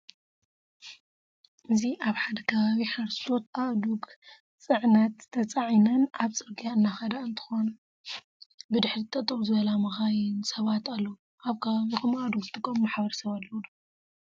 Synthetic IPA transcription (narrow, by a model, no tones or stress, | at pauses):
ʔɨziʔaβħad̪ɐkʰɐβaβiħaɾssot̪ʔaʔd̪uɡ | t͡sʼɨʕnɐt̪t̪ʰɐt͡sʼaʕinɐnʔaβt͡sʼɨɾɡijaɨnːaxɐd̪aɨnt̪ʰɨ̥xo̞n | bɨd̪ɨħɾizt̪ʰɐt̪ʼɐmzɨβɐlamɐxajɪnsɐβat̪alːɐwuʔaβkʰɐβaβikɐmaʔd̪uɡɨt̪ʼɨkʼːɐmmːaħβɐɾsɐβalːɐwud̪o